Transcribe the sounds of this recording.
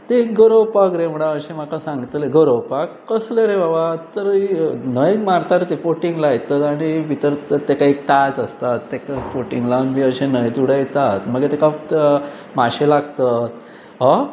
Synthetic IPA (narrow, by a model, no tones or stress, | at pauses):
t̪eɡəɾowpakɾem̤əɽ̃aəɕẽm̤akasãŋɡt̪leɡəɾowpakːəsleɾebabat̪əɾinəjkmaɾt̪aɾet̪efoʈiŋɡlajt̪ət̪aɽ̃iʋit̪əɾt̪ekaik̚t̪ad͡zəst̪at̪ːekafoʈiŋɡlanmiəɕenəjt̪uɽəjt̪at̪m̤əɡet̪ekat̪ | maɕẽlaɡt̪ət̪̚ | ɦɔ